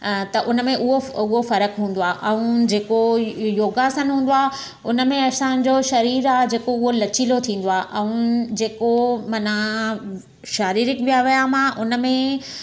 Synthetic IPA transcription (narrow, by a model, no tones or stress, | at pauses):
t̪ɐʔʊnə̆mẽʔʊɦoʊɦofɐɾəkɦũːn̆d̪oaːʔɛ̃ũd͡ʑeːkojoːɡasɐ̃nɦũːnd̪oaː | ʊnə̆mẽɐsãɲd͡ʑoʃɐɾiːɾaːɦd͡ʑeːkoʊɦolɐt͡ɕilot̪ʰĩːn̆d̪oaːʔɛ̃ũd͡ʑeːkomɐna | ʃaːɾiːɾɪkʋijaʋijamãʔʊnə̆mẽ